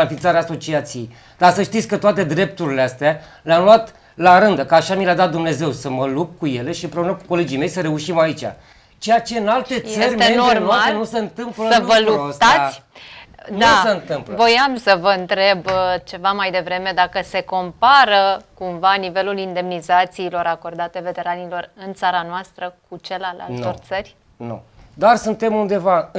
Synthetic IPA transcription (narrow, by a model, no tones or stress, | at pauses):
anfint̪saɾeaso̞t͡ʃiat̪sije̞j | d̪̥asəʃt̪it̪sʲkət̪oat̪e̞d̪ɾe̞p̚t̪uɾileast̪ea | leamluat̪ | laɾɨnd̪əkəaʃamilad̪at̪̚d̪umne̞ze̞wsəməlup̚kuje̞le̞ʃiɨmpɾe̞unəku̥ko̞le̞d͡ʒijme̞jsəɾe̞uʃimait͡ʃʲa̰ | t͡ʃejat͡ʃe̞ɨnalt̪e̞t̪sserʲmeenornaaenuseɨnt̪ɨmpləsəvəluost̪aa | d̪ausəɨnt̪ɨmplvvo̞jamsəvəɨnt̪ɾe̞bt͡ʃe̞vamajd̪e̞vɾe̞me̞d̪akəse̞ko̞mpaɾəkumvanive̞lulind̪e̞mnizat̪siːlo̞ɾako̞rd̪at̪e̞ve̞t̪e̞ɾanilo̞rɨnt̪saɾanoast̪ɾəkut͡ʃe̞lala̰lt̪o̞rt̪sərʲ | nṵd̪arsunt̪e̞mund̪e̞va